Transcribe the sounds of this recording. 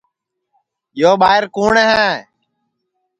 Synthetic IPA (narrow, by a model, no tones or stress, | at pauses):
joːɓaːɪɾkuːɳeːɦɛ̃ɛ̃ː